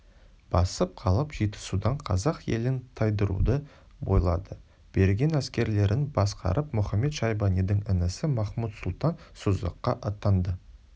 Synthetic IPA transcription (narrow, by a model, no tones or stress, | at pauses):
b̥ɑsəp̚qʰɑlˠəpʒ̥ijt̪ə̥sud̪ɑɴqʰɑzɑqje̞̰lɪnt̪ʰɑjd̪əɾṵd̪ə | bo̞̰jlˠɑd̪ə | b̥e̞ɾɡʲe̞næskʲe̞ɾle̞ɾɪnbɑsqɑ̰ɾʔəpmʊχɑme̞t̪ʃɑjbɑnijd̪ɪŋɪnɪsɪmɑχmut̪sʊlˠt̪ɑnsʊzə̰qːɑʔɑt̪ɑnd̪ə